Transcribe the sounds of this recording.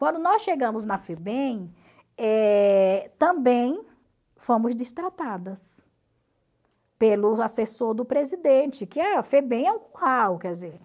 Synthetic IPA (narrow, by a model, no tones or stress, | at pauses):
kwɐ̃nd̪ʊnɔsʃeɡɐ̃mʊznɐfebẽj̃ | ɛ | t̪ɐ̃bẽj̃ | fõmʊzd͡ʒist̪ɾat̪ad̪ɐs | pelʊasesoɾd̪ʊpɾezid̪ẽt͡ʃɪkɪafebẽɛũkuhawkɛɾd͡ʒɪzeɾ